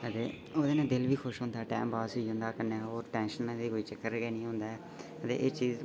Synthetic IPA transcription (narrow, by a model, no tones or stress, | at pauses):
ət̪eː | oːd̪eːnẽːd̪ɪlʋiːkʰʊʃɦʊ̃ːnd̪aːʈɛ̰ːmbaːsiːɦʊ̃nd̪aːkənaːoːɾʈɛ̃ːnʃənːãːd̪iːkoːiːt͡ʃəkːəɾɡeːnĩːɦʊ̃ːnd̪aːɛː | ət̪ḛːʔeːt͡ʃiːz